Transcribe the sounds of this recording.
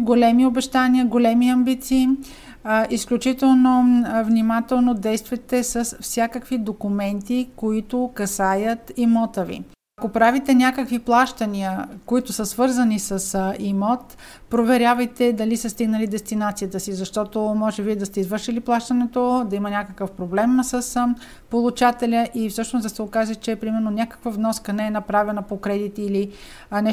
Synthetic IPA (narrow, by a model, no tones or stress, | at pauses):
ɡolɛmiobɛʃt̪aniəɡolɛmiɐmbit̪siː | ʔisklʲut͡ʃit̪ɛlˠnovnimat̪ɛlˠnod̪ɛjst̪vɐt̪ɛsəsfsʲjakəkvid̪okʊmɛnt̪ikoit̪ʊkɐsajət̪imɔt̪əvḭ | ɐkopɾavit̪ɛnʲakəkviplˠaʃt̪əniəkoit̪ʊsəsvɤɾzənisəsimɔt̪ | pɾovɛɾʲjavɐjt̪ɛd̪ɐlisəst̪iɡnəlid̪ɛst̪inat̪sijət̪əsizɐʃt̪ɔt̪omɔʒɛbid̪ɐst̪ɛizvɤɾʃiliplˠaʃt̪ənɛt̪od̪ɐimɐnʲakəkəfpɾoblɛmsəs | polˠut͡ʃat̪ɛlʲəʔifsɤʃnosd̪ɐsɛokaʒət͡ʃɛpɾimɛɾnonʲjakə̥kvəvnɔskənɛɛnɐpɾavɛnɐpokɾɛd̪it̪ili | nɛ